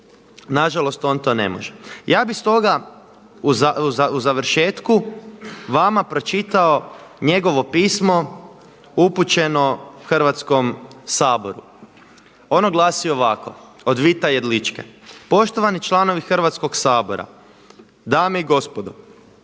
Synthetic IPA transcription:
naʒalo̞st̪o̞ːnt̪o̞ːne̞̰mo̰ʒejaːbist̪o̞ɡa | uauauzaʋɾ̩ʃe̞ːt̪ku | ʋamapɾo̞t͡ʃit̪aoɲe̞ɡo̞ʋo̞piːsmo̞ | uput͡ɕe̞no̞xr̩ʋat̪sko̞msaːbo̞ɾṵ | o̞noɡlˠasioʋakʰo̰ | od̪ʋit̪ajed̪lit͡ʃkepo̞ʃt̪oʋanit͡ʃlˠano̞ʋixr̩ʋat̪sko̞ksaːbo̞ɾa̰ | d̪ameiɡo̞spod̪o

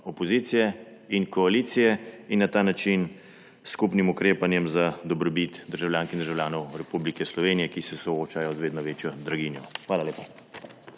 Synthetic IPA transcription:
ɔpɔziːt̪sijɛ | inkɔaliːt̪sijɛinːat̪aːnat͡ʃin | skupnimukɾeːpanjɛmzad̪ɔbɾɔbit̪d̪əɾʒawlʲjaːŋkind̪əɾʒawlʲjaːnɔwɾɛpublikɛslɔʋeːnijɛkisɛsɔoːt͡ʃajɔzʋeːd̪nɔʋeːt͡ʃjɔd̪ɾaɡinjɔxʋaːlaleːpa

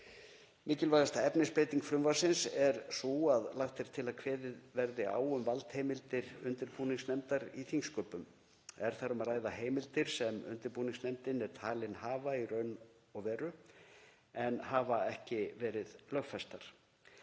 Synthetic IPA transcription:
mɪːcɪlvajðast̪aɛpnɪspɾeːjt̪iŋkfɾʏmvasɪnsɛɾsuaðlawht̪ɛɾ̥t̪ʰɪlaðkʰvɛːðɪðvɛɾðɪa̰ːwʏmvalt̪hejmɪlt̪ɪɾʏnt̪ɪɾpuːniŋsnɛmt̪aɾiθiŋskœːpʏm | ɛɾ̥θaɾʏmaðraːjðaheːjmɪlt̪ɪɾ̥sɛmʏ̰nt̪ɪɾpuːniŋsnɛmt̪ɪnɛɾ̥t̪ʰaːlɪnhaːvairœːɥn | ɔɣvɛːɾʏ | ɛnhaːvaɛhcɪvɛːɾɪðlœxfɛst̪aɾ̥

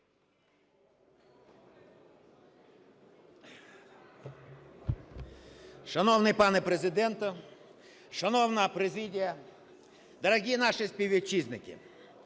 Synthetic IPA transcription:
ʃɐnɔwnɪjpɑnɛpɾezɪd̪ɛnt̪ʊ | ʃɐnɔwnɐpɾezidʲijɐ | d̪ɐɾɐɦʲinɑʃɪsʲpʲiwʲit͡ʃːiznɪkɪ̰

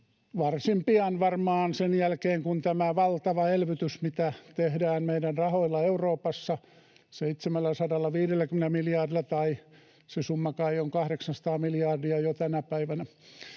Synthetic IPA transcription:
ʋɑrsimpiɑnʋɑrmɑːnsenjælkeːŋkunt̪æmæʋɑlt̪ɑʋɑelʋyt̪ysmit̪æt̪ehdæːnmeiɾænrɑhoilːɑeuroːpɑsːɑ | seit̪semælːæsɑdɑlːɑʋiːdelːækymenæmiljɑrdilːɑt̪ɑi | sesumːɑkɑioŋkɑhɾeksɑnsɑ̥t̪ɑːmiljɑrdiɑjot̪ænæpæiʋænæ

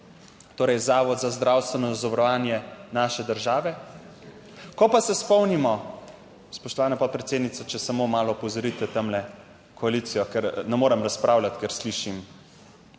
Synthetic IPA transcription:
t̪oːɾɛjzaːʋɔd̪zazd̪ɾawst̪ʋɛnɔzɔʋɾɔʋaːnjɛnaːʃɛd̪əɾʒaːʋɛ | kɔpasɛspɔwnimɔ | spɔʃt̪ɔʋaːnɛpɔt̪̚pɾɛt̪seːd̪nit̪sat͡ʃɛsamomaːlɔpɔzɔɾit̪ɛt̪amlɛ | kʰɔalit̪sijɔkɛɾnɛmoːɾɛmɾaspɾʔaːwlʲat̪kɛɾsliʃim

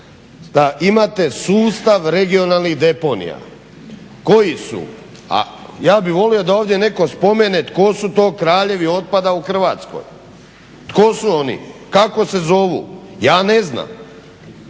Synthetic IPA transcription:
d̪aʔimat̪e̞suːst̪aʋɾe̞ɡio̞nalˠniɦd̪e̞po̞nḭja̰ | ko̞jisṵ | a̰jaːbiʋo̞lio̞d̪ao̞ːʋd̪jene̞ko̞spo̞menet̪ko̞sut̪o̞ːkɾaːʎe̞ʋio̞t̪̚pad̪auxr̩ʋaːt̪sko̰j | t̪kosuo̞nḭkako̞se̞zo̞ʋṵjaːne̞zna̰m

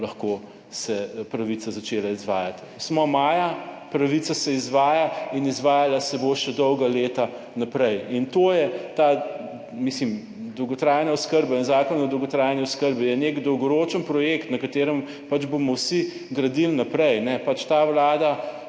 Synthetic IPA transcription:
lɐxko | sɛpɾɐʋisazɐt͡ʃelaizʋaːjat̪ | smɔmaːja | pɾɐʋit̪sasɛizʋaːjainizʋaːjalasɛboʃɛd̪ɔwɡaleːt̪a | napɾɛjint̪ojɛt̪a | mislim | d̪ɔwɡɔt̪ɾaːjnaɔskəɾbainzaːkɔnɔd̪ɔwɡɔt̪ɾajniɔskəɾbijɛnekd̪ɔwɡɔɾoːt͡ʃənpɾɔjekt̪nɐkat̪eːɾəm | pad͡ʒbomɔwsi | ɡɾɐd̪ilnapɾɛjnɛpat͡ʃt̪awlaːd̪a

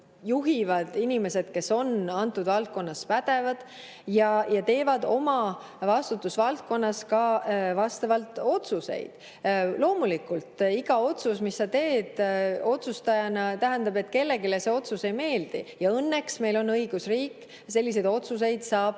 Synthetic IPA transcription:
juɦivɑd̪̥inime̞sed̪̥ke̞so̞nɑnt̪ːˑud̪vɑlt̪̚ko̞nːɑspæd̪̥e̞vɑd̪̥ | jɑjɑt̪e̞ːvɑd̪̥o̞mɑ | vɑst̪ut̪ːˑusvɑlt̪̚ko̞nːɑskɑvɑst̪ɑvɑlt̪ˑo̞t̪suse̞̰jd̪̥ | lo̞ːmulikːˑult̪iɡ̥ɑo̞t̪susmisːɑt̪e̞ːd̪̥o̞t̪sust̪ɑjɑnɑt̪æɦænd̪̥ɑbe̞t̪ːˑke̞lːe̞ɡilese̞o̞t̪suse̞jme̞ːld̪̥ijɑɤnːe̞ksme̞jlo̞nɤiɡ̥usriːkː | se̞lʲːis̬e̞jd̪o̞t̪sus̬e̞jd̪̥sɑːb̥

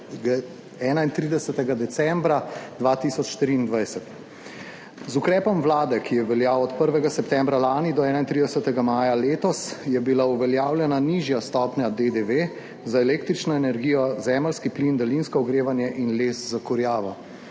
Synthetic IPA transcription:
ɡ | ɛːnaint̪ɾiːd̪ɛsɛt̪ɛɡad̪ɛsɛmbɾad̪ʋaːt̪iːsɔt͡ʃʃt̪ɾiːnd̪ʋajsɛt̪ | zukɾɛːpɔmʋlaːd̪ɛkʰijɛʋɛljaːwɔt̪pəɾʋɛɡasɛpt̪ɛmbɾalaːnid̪ɔɛːnaint̪ɾid̪ɛsɛt̪ɛɡamaːjaleːt̪ɔsjɛbilauʋɛljaːwljɛnaniʒjast̪ɔːpɲad̪ed̪eʋe | zaɛlekt̪ɾit͡ʃnɔɛnɛɾɡiːjɔzɛːməlskiplind̪alinskɔɔɡɾeːʋanjɛʔinleːszakɔɾjaːʋɔ

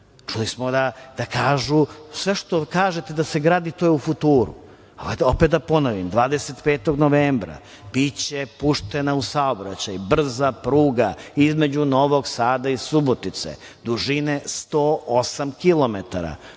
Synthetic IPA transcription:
t͡ʃulismod̪ad̪̥akaːʒusʋe̞ʃt̪okaːʒet̪ed̪aseɡɾaːd̪it̪ojeufut̪uːɾṵ | aopet̪̚d̪apo̞noʋimd̪ʋaːd̪eset̪peːt̪o̞ɡnoʋeːmbɾa̰ | bit͡ɕepuʂt̪enausaobɾa̰t͡ɕajbr̩zapɾuːɡaizme̞d͡ʑuno̞ʋoɡsaːd̪aisubot̪it̪sḛ | d̪uʒinest̪oːosamkilˠo̞met̪aɾa̰

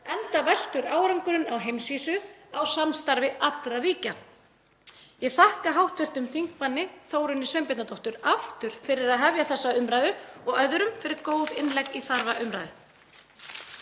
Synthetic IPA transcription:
ɛnt̪avɛl̥t̪ʏɾaːwɾaŋkʏɾʏnawɦejmsviːsʏawsanst̪aɾvɪʔat̪ɾariːca | jɛɣθahkaɦawht̪vɪr̥t̪ʏmfiŋk̚panːɪθoːwɾʏnːɪsvɛmpɛt̪nat̪owht̪ʏɾaft̪ʏɾ̥fɪɾɪɾaðɦavjaθɛsːaʏmɾajðʏɔɣœðɾʏmfɪɾɪɾkoːwðɪnlɛkiθaɾvaʔʏmɾajðʏ

